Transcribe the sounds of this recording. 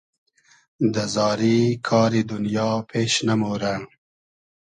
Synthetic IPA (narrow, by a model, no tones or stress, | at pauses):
d̪əzɑːɾikʰɑːɾid̪unjɑpʰeːʃnamoɾa